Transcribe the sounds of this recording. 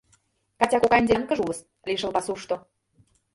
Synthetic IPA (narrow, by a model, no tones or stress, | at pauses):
kɑtʲɑkokɑnʲd̪ʲenkə̆ʒuləs | lʲiʃə̆lpɑsuʃt̪o